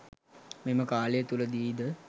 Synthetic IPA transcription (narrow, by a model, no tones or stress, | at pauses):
meməkaːljət̪uləd̪iːd̪ə